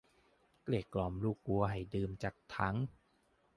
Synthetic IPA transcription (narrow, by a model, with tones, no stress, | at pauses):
kleː˨˩kːlɔː˨˩mluː˥˩k̚ːu˧ɐɦa˨˩jdɯː˧mt͡ɕaː˨˩k̚t̪ʰa˦˥ŋ